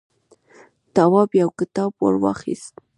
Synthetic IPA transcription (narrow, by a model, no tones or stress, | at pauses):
t̪ɑwɑbjawkɪt̪ɑbwa̰ɾwɑ̰χḭst̪